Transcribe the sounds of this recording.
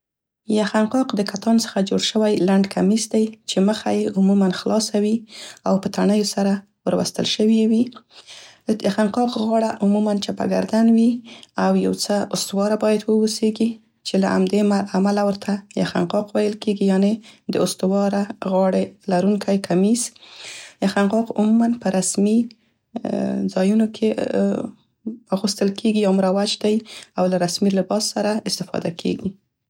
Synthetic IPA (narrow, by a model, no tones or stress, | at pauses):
jaxanqɑqd̪əkat̪ɑnsə̥xad͡ʒoɽʃəwajlaɳɖkʰamisd̪ajt͡ʃeməxajeʊmumanxlɑsawiawpət̪aɳəjosaɾa | wəɾwa̰st̪ə̰lʃəwiwi | axanqɑqɣɑɽaʔʊmumant͡ʃapa̰ɡa̰ɾd̪anwiawja̰wt͡səʊst̪wɑɾabɑjad̪wəwoseɡi | t͡ʃelaa̰md̪emaamalawəɾt̪ʰajaxa̰nqɑqwajəlkeɡijɑned̪əʊst̪ʊwɑɾaɣɑɽelaɾuŋkʰajkʰamiz | jaxanqɑqʊmumanpəɾasmi | d͡zɑjunokʰe | waɣust̪əlkʰeɡijawmɾawat͡ʃd̪ajawlaɾasmilɪbɑsːaɾaɪst̪ɪfɑ̰d̪akʰḛɡi